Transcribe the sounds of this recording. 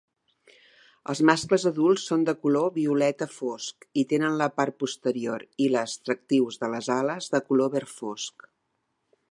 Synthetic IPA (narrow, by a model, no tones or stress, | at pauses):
ə̰lˠzmaskləzəðulˠsːond̪əkuloβiulɛt̪əfoskit̪enənləpar̚pust̪əɾioɾiləst̪ɾək̚t̪iwzðələzaləzðəkuloβɛrfosk